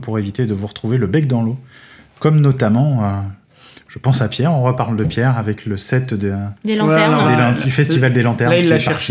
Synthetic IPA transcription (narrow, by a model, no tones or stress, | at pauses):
puʁevit̪ed̪əvuʁət̪χuveləbɛk̚d̪ɑ̃lo | kɔmnɔt̪amɑ̃ø | ʒ̥əpɑ̃sapjɛʁɔ̃ʁəpaʁld̪əpjɛʁavɛkləsɛt̪d̪əd̪elɑ̃ɛel̃d̪yfɛsivald̪elɑ̃t̪ɛʁilːpaʁti